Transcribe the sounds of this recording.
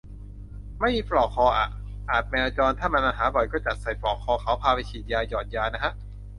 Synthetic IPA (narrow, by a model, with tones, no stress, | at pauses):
ma˥˩jpɾɔː˨˩k̚kʰːɔː˧ʔa̰˨˩ | ʔaː˨˩t̪̚mɛː˧a˧t͡ɕɔː˧nt̪ʰaː˥˩ma˧nmaː˧˩ɦaː˩˦bɔ˨˩jkɔː˥˩t͡ɕa˨˩t̪̚sa˨˩jpɾɔː˨˩kʰːɔː˧kʰa˩˦wpʰaː˧pa˧jt͡ɕʰiː˨˩t̪̚jaː˧jɔː˨˩t̪̚jaː˧na˦˥kʰa˦˥ʔ